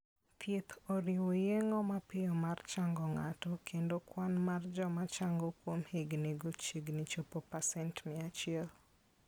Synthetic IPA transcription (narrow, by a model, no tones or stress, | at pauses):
t̪ʰjet̪ʰoɾɪwojeŋɔmapɪjɔmart͡ʃaŋɡɔŋatɔkʰendokwanmard͡ʒɔmat͡ʃaŋɡɔkwomheɡneɡot͡ʃeɡnit͡ʃopopasɛntmɛat͡ʃɪɛl